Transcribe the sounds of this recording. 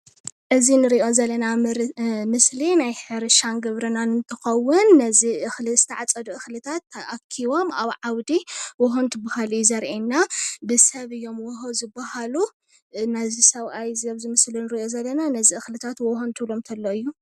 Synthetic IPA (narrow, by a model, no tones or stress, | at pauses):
ʔɨzinɨɾiʔo̞zɐlːɐna | mɨslinajħɨɾɨʃanɡɨβɾɨnanɨnt̪ʰɨxɐwːʊnːɐziʔɨxlɨsɨ̥t̪ʰɐʕat͡sʼɐd̪uʔɨxlɨt̪ʰat̪ːʔakʰːiβo̞maβʕawd̪iwɔɦont̪ʰbahalɨjzɐɾʔenːabɨsɐβɨjːo̞mwɔɦozɨbːahalu | nɐzisɐβʔajzɐβzɨmɨslinɨɾiʔo̞zɐlːɐnanɐziɨxlɨt̪ʰat̪wɔhont̪ʰɨβlomt̪ʰɐlːoɨjːu